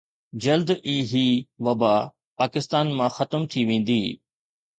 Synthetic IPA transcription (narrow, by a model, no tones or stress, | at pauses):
d͡ʑɐld̪iːɦiːʋɐbaː | paːkɪst̪aːnmãxɐt̪əmt̪ʰiʋẽːn̆d̪iː